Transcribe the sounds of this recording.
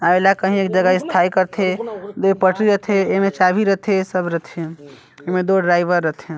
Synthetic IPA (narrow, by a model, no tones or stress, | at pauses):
aelakəɦĩeːk̚d͡ʒəɡaɪst̪ʰaikəɾt̪ʰed̪opəʈɾiɾət̪ʰeemet͡ʃabʱiɾət̪ʰesəbɾət̪ʰe | emed̪oɖɾajbəɾːət̪ʰe